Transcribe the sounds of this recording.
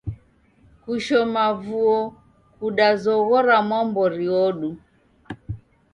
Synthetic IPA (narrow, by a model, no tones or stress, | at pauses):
kuʃɔmavuɔ | kuɗazɔɣɔɾamwɔmbɔɾiɔɗu